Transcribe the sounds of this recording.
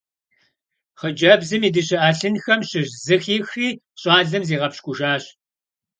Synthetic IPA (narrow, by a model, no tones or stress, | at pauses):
χəd͡ʒʼɐbzɨmiːdɨɕɪʔaːɬɨnxɐmɕɪʑzɨxiːxriː | ɕʼɑːɮɨmziːʁɐpɕkʷʼʊʒaːɕ